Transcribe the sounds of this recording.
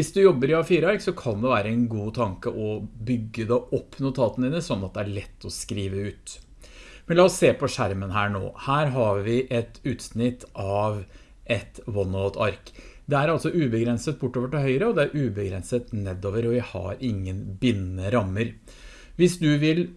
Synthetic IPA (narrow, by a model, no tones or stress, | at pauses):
ʋɪsd̪ʉjɔbːəɾjɑfiːɾəɑɾksɔkʰɑnd̪ɛʋæːɾəɛnɡuːt̪ʰɑŋkəʔɔbʏɡːəd̪ɛʔɔpːnʊt̪ʰɑːt̪ən̩d̪iːnəsɔnːɑt̪̚d̪ɛæɭɛt̪ːɔskɾiːʋəʉːt̪ | mɛnlɑːɔsːeːpʰɔʂæɾmənɦæːɳo̰ːhæːɾɦɑɾʋɪʔɛt̪ʉːt̪snɪt̪ːɑʋ | ʔɛt̪ʋɔnoːt̪ʰɑɾkd̪ɛæɾɑlsɔʉːbəɡɾɛnsət̪̚bʊʈːoːʋəʈɪlhœʏɾəɔd̪ɛæɾʔʉːbəɡɾɛ̰nsət̪nɛd̪ːoːʋəɾɔʋɪhɑ̰ɾɪŋːənbɪnːəɾɑmːəɾ | ʋɪsd̪ʉʋɪl